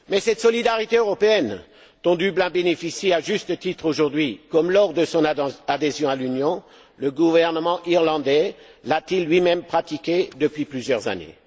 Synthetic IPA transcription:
mɛsɛt̪sɔlid̪aʁit̪eøʁɔpeɛn | t̪ɔ̃d̪yblɛ̃benefisiaʒyst̪ət̪it̪χoʒuʁd̪ɥikɔmlɔʁd̪əsɔ̃nad̪ezjɔ̃alynjɔ̃ | ləɡuvɛʁnəmɑ̃ʔiʁlɑ̃d̪ɛlat̪ilːɥimɛmpχat̪ikʲed̪əpɥiplyzjœʁza̰nḛ

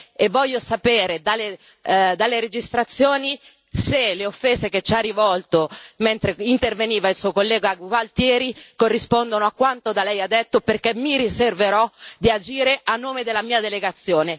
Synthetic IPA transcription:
evːɔʎːosapeːɾed̪alːe | d̪alːeɾed͡ʒist̪ɾat̪sːjoːni | seleofːeːzeket͡ʃarːivɔlt̪oment̪ɾeint̪erveniːvailsuːokolːɛːɡoaɡvalt̪jɛːɾikorːispond̪onoakːwant̪od̪alɛjad̪ːet̪ːoperkemiɾiserveɾɔd̪iad͡ʒiːɾeanːoːmed̪elːamiːad̪eleɡat̪sːjoːne

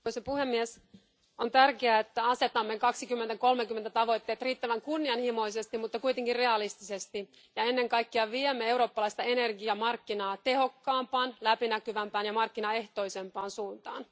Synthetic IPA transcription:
osepuhemːies | ont̪ærkeæet̪ːæɑse̞t̪ɑmːeŋkɑksikymːent̪æko̞lmekyment̪æt̪ɑʋo̞jt̪ːeːt̪riːt̪ːæʋæŋkunːiɑnhimo̞ise̞st̪imut̪ːɑkujt̪eŋkirre̞ɑlist̪isest̪i | jɑe̞nːe̞ŋkɑjkːiɑʋiemːee̞wɾo̞ːpːɑlɑijst̪ɑene̞rɡiɑmɑrkːinɑːt̪e̞ho̞kːɑːmpɑːnlæpinækyʋæmpæːnjɑmɑrkːinɑe̞ht̪o̞jse̞mpɑːnsuːnt̪ɑ̰ːn

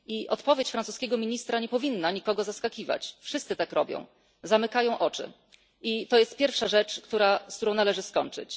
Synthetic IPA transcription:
ʔiʔɔ̰t̪pɔvʲjet͡ɕfɾansuskʲɛɡɔmʲiɲist̪ɾaɲɛpɔvʲinːaɲikɔɡɔzaskakʲiva̰t͡ɕfʂɘst̪sɘt̪akɾɔbʲjɔ̰̃w̃ | zamɘkajɔ̃w̃ʔɔt͡ʂɘ̰ | ʔit̪ɔjɛst̪̚pʲjɛɾfʂaʐɛt͡ʂkt̪uɾaskt̪uɾɔ̃w̃nalɛʐɘskɔɲt͡ʂɘ̰t͡ɕ

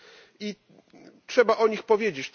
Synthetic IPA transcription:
i | tʂɛbaʔɔɲixpɔvʲjed͡ʑet͡ɕt̪

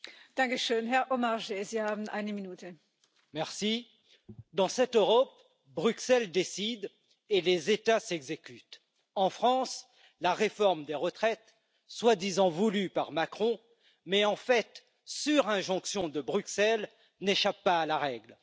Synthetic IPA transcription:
d̪̥ãŋkəʃøːnɦɛʁʔomaʁʒezihaːbn̩ʔaɪnəminuːtə | mɛʁsi | d̪ɑ̃sɛt̪øʁɔp̚ | bʁyksɛld̪esid̪ | elezet̪asɛɡzekʲyt̪ | ɑ̃fχɑ̃s | laʁefɔʁmd̪eʁət̪χɛt̪ | swad̪izɑ̃vulypaʁmakχɔ̃ | mɛɑ̃fɛt̪ | syʁɛ̃ʒɔ̃ksjɔ̃d̪əbʁyksɛl | neʃapːaːlaʁɛɡl

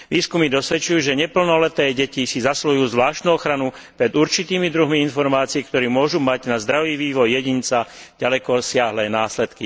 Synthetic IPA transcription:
ʋiːskumid̪ɔsʋɛt͡ʃujuːʒɛɲɛpl̩nɔlɛt̪ɛːɟɛcisizaslɔjuːzʋlaːʃt̪nuɔxɾanu | pɾɛd̪uɾt͡ʃit̪iːmid̪ɾuɦmiinfɔɾmaːt͡siɛkt̪ɔɾɛːmʊɔʒumaɟnazd̪ɾaʋiːʋiːʋɔjːjɛɟiɲit͡saɟalɛkɔsɪaɦlɛːnaːslɛt̪ki

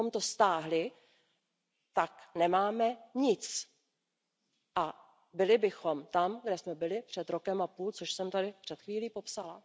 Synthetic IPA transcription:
omt̪ost̪aːɦlɪ | t̪aknɛmaːmɛɲɪt͡s | ʔa | bɪlɪbɪxo̞mt̪amɡdɛsmɛbɪlɪpr̝̥ɛd̪ɾo̞kɛmapuːlt͡soʃsɛmt̪adɪpr̥ɛt̪xviːliːpo̞psala

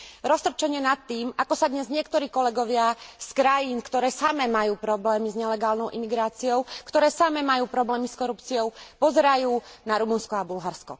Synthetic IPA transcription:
ɾɔst̪ɾɔpt͡ʃaɲɪɛnat̪ːiːmakɔsad̪ɲɛzɲɪɛkt̪ɔɾiːkɔlɛɡɔʋɪaskɾajiːnkt̪ɔɾɛːsamɛmajuːpɾɔblɛːmizɲɛlɛɡaːlnɔʊʔḭmiɡɾaːt͡siɔʊkt̪ɔɾɛːsamɛmajuːpɾɔblɛːmiskɔɾupt͡siɔʊpɔzɛɾajuːnaɾumunskɔabulɦaɾskɔ

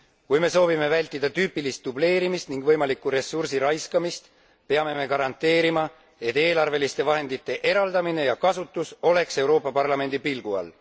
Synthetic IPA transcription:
kujme̞so̞ːvime̞vælʲt̪ːˑid̪ɑt̪yːpilist̪̚d̪̥uble̞ːɾimist̪niŋɡ̥vɤjmɑlikːˑuɾe̞sursiɾɑjskɑmist̪ | pe̞ɑme̞me̞kɑɾɑnt̪ːˑe̞ːɾimɑ | e̞t̪ːˑe̞ːlɑrve̞list̪e̞vɑɦe̞nd̪it̪ːe̞ʔe̞ɾɑld̪ɑmine̞jɑkɑsut̪ːˑuso̞le̞kse̞wɾo̞ːpːˑɑpɑrlɑme̞nd̪̥ipilɡ̥uɑ̰l

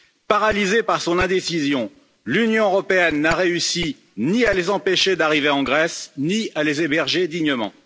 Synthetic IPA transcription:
paʁalizepaʁsɔ̃nɛ̃d̪esizjɔ̃ | lynjɔ̃øʁɔpeɛnːaʁeysi | nialezɑ̃peʃed̪aʁiveɑ̃ɡʁɛsnialezebɛʁʒed̪iɲəmɑ̰̃

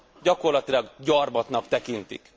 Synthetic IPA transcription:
ɟɒko̞rlɒt̪ilɒɡɟɒrmɒt̪nɒkt̪ɛkint̪ḭk

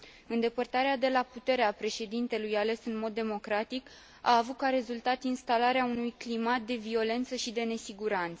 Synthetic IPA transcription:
ɨnd̪e̞pərt̪aɾead̪e̞laput̪e̞ɾeapɾe̞ʃe̞d̪int̪e̞lujale̞sɨnmo̞d̪ːe̞mo̞kɾat̪ik | a̰ːvut̪̚kaɾe̞zult̪at̪inst̪alaɾeaunujklimat̪̚d̪e̞vio̞le̞nt̪səʃid̪e̞ne̞siɡuɾant̪sə

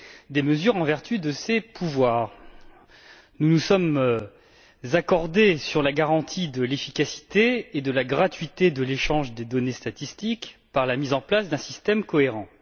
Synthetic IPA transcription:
d̪eməzyʁɑ̃vɛʁt̪yd̪əsepʰuvwaːʁ | nunusɔm | zakɔʁd̪esyʁlaɡaʁɑ̃t̪ʰid̪əlefikasi̥t̪eːd̪əlaɡʁat̪ɥit̪ed̪əleʃɑ̃ʒd̪ed̪ɔnest̪at̪ist̪ikpaʁlamizɑ̃plasd̪ɛ̃sist̪ɛmkɔeʁɑ̃

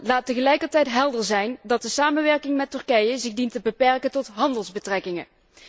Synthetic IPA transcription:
laːtəɣəlɛjkərtɛjtɦɛlˠdəɹzɛjndɑt̚dəsaːmənʋɛɹkɪŋmɛtɵrkɛjəzɪɣdintəbəpɛɹkəntɔtɦɑndəlˠzbətrɛkɪŋə̰

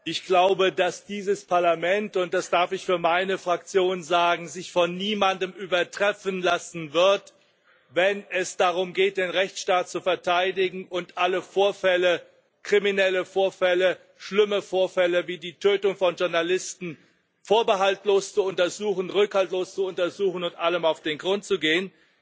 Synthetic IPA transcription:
ʔɪçɡ̥laʊbədasd̥iːzəspʰaɐlamɛntʊnt̚d̥asd̥aɐfɪçfyːɐmaɪnəfʁ̥akt͡sjoːnzaːɡŋ̩zɪçfɔnːiːmandəmyːbɐtʁ̥ɛfənlasn̩vɪɐt | vɛnɛsd̥aʁʊmɡeːt̚d̥eːnʁɛçt͡sʃtaːt̚t͡sufɛɐtʰaɪdɪɡŋ̩ʊntʔaləfoːɐfɛlə | kʁ̥iminɛləfoːɐfɛlə | ʃlɪməfoːɐfɛləviːdiːtʰøːtʊŋfɔnʒʊɐnalɪstn̩ | foːɐbəɦaltloːst͡suʊntɐzuːxn̩ʁʏkhaltloːst͡suʊntɐzuːxən̩ʊntʔaləmaʊfd̥eːnɡʁʊnt̚t͡suɡeːən

